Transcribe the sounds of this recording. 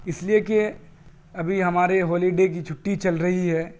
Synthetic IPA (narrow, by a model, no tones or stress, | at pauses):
ɪslieke | ɐbʱiɦɐmaːɾeɦɔːliɖeːkit͡ʃʰʊʈːit͡ʃɐlɾɐɦiɦɛː